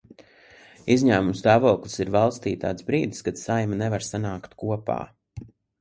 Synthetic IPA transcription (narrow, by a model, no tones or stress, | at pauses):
izɲæːmumst̪aːvɔːklˠisiɾvalˠst̪iːt̪a̰ːt̪sbɾiːd̪iskad̪sajmanevaɾsanaːkt̪kuɔpa̰ː